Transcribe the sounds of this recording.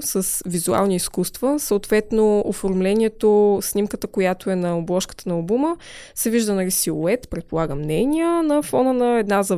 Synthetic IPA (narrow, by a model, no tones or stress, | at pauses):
səsvizua̰lˠniːskust̪vəsəːt̪vɛt̪noofoɾmlɛnʲiɛt̪osnʲimkət̪əkojat̪oɛnɐoblˠɔʃkə̥t̪ənɐːlˠbumə | sɛviʒd̪ənɐlisiuɛt̪pɾɛt̪̚polˠaɡəmnɛnʲijənɐfɔnənəɛd̪nazə